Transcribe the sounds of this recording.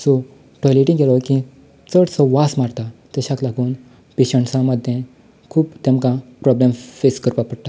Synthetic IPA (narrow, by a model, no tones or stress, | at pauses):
so | ʈɔjleʈĩŋɡelɔkĩ | t͡səɽsɔʋasmaɾt̪at̪əɕaklaɡuːn | peɕəɳʈsãməd̪ʱːjẽ | kʰuːpt̪emkãpɾɔblemfeskəɾpapəɽt̪a